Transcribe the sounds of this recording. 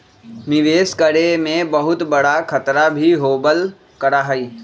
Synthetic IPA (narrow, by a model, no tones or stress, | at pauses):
mɪʋeːskəɽemẽbəɦʊt̪bəɽakʰət̪ɾabʱiɦoːbəl | kəɾaɦəiː